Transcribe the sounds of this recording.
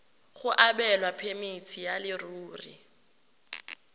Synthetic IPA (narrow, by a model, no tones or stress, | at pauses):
χʊʔaɓɛlwapʰemitʰijalɪruːrḭ